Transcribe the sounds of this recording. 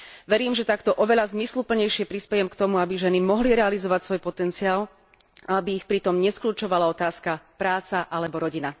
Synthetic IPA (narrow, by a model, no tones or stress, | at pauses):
ʋɛɾiːmʒɛt̪akt̪ɔʔɔʋɛʎazmislupl̩ɲɛjʃɪɛpɾispɛjɛmkt̪ɔmuabiʒɛnimɔɦliɾɛalizɔʋacsʋɔjpɔt̪ɛnt͡siaːl | aabiːxpɾit̪ɔmɲɛskʎuːt͡ʃɔʋalaɔt̪aːskapɾaːt͡saʔalɛbɔɾɔɟina